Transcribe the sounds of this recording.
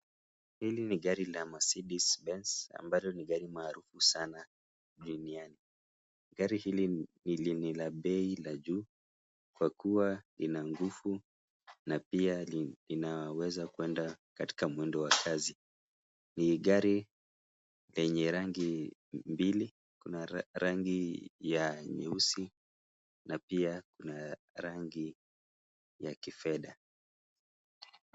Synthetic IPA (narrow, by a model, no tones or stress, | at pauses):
hiliniɠaɾilamasiɗisbɛnsa̰mbalɔniɠaɾimaːɾufusana | ɗuniani | ɡaɾihilinilinilaɓɛilaʄu | kwakuwalinaŋɡufu | napialinawawɛzakuɛndakati̥kamwɛndɔwakʰazi | niɠaɾi | lɛɲɛɾaŋɡimbili | kunaɾaŋɡijaɲɛ̰usi | napiakuna | ɾaŋɡi | jakifɛɗa